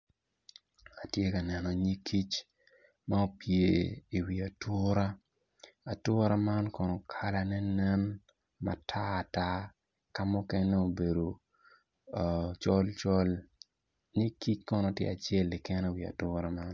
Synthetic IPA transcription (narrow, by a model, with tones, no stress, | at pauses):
a˨tje˦ka˨nɛ˨nɔ˨ɲi˦kʰːi˦t͡ʃ | ma˦o˦pje˨i˨wi˨a˨tʊ˦ɾa˦ | a˨tʊ˦ɾa˦ma˦nkɔ˨nɔ˨kʰa˦la˦nɛ˦nɛ˦n | ma̰˦tʰaː˦˨ta˦ | ka˦mʊ˦kɛ˦nɛ˦o˨be˨do˨ | t͡ʃɔ˦lt͡ʃɔ˦l | ɲi˦kːi˦t͡ʃkɔ˦nɔ˨tjḛ˦˨a˨t͡ʃe˦lɪ˨kɛ˦nɛ˦wi˨a̰˨tʊ˦ɾa˦ma˦n